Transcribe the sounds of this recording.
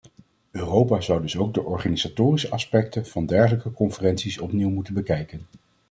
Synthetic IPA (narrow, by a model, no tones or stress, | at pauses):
øːrowpaːzʌwdɵsowɡ̚dəʔɔɹχaːnizatoːrisəʔɑspɛk̚tənv̥ɑndɛɹχələkəkɔnfərɛntsisɔpniwmutənbəkɛjkən